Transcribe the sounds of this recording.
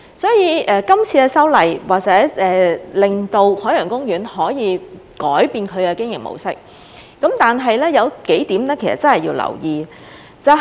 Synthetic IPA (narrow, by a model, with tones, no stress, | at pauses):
sɔː˨˥jiː˨˧ʔɛː˨˧kɐ˥mt͡sʰiː˧ɛ˧sɐ˥wlɐ˨jwaː˨k̚t͡sɛː˨˥ɛː˨lɪ˨˩ŋt̪o˧whɔː˨˥jœː˨˩ŋkʊ˥ŋjyː˨˥nhɔː˨˥jiː˨˧kɔː˨˥jpiː˧nkʰɵ˨˧ɥkɛ˧kɪ˥ŋjɪ̰˨k̚mo̰˨˧wsɪ˥k̚ː | ɐ˨˥mt̪aː˨nɦɐ˨jlɛː˥jɐ˨˧wke˨˥jt̪iː˨˥mnɛː˥kʰsɐ̰˨t̚t͡sɐ˥nhɐ˨jiː˧wlɐ̰˨˩wjiː˨ | t͡sɐ˥